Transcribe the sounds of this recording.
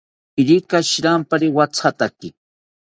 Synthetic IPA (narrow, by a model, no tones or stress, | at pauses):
ɪɾɪkaʃɾampaɾɪwat͡sʰat̪akɪ